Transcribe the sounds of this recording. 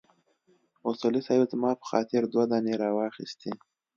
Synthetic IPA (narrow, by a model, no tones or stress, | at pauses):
ʊsulisɑjezmɑpə̥xɑ̰t̪ɪɾd̪wad̪ɑneɾɑwɑxḭst̪i